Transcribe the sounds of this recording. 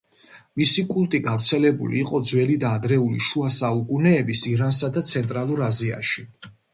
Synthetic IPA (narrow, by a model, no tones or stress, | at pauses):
misikʼulˠt̪ʼiɡavɾt̪sʰɛlɛbṵlḭːqʼɔd̪zwɛlid̪aːd̪ɾɛulḭʃuasaukʼunɛːbisiɾans̬ad̪at̪sʰɛnt̪ʼɾalˠuɾazia̰ʃi